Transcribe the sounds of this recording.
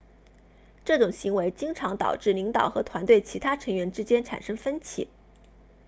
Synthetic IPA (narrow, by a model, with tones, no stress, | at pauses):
ʈ͡ʂɤ˥˩ʈ͡ʂʊ˨˩ŋɕi˧˥ŋwe˧˥ɪt͡ɕi˥ŋʈ͡ʂʰɑ˧˥ŋt̪ɑ̰˨˩ʊʈ͡ʂɻ̩˥˩li˧˥ŋt̪ɑ˨˩ʊxɤ˧˥t̪ʰwa˧˥nt̪we˥˩ɪt͡ɕʰi˧˥t̪ʰa˥ʈ͡ʂʰɤ˧˥ŋɥɛ˧˥nʈ͡ʂɻ̩˥t͡ɕjɛ˥nʈ͡ʂʰa̰˨˩nʂɤ˥ŋfə˥nt͡ɕʰḭ˨˩˦